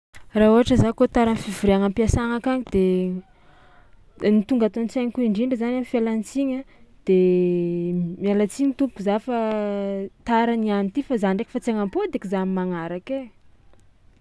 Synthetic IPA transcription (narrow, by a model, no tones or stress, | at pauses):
raɦuɦaʈ͡ʂəzakot̪aɾanfivuɾeaŋampiasaŋakaɲid̪̥e | nit̪uŋɡat̪ont͡saɲikuiɳɖ͡ʐiɳɖ͡ʐəzanamifialant͡siɲəd̪̥e | mialat͡siɲit̪upkuzafa | t̪aɾanianit̪ifazanɳɖ͡ʐeki̥fat͡seŋampod̪ekizamimaŋaɾake